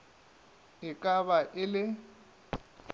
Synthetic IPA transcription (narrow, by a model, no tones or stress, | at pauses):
ɪkʼaβaʔɪlɪ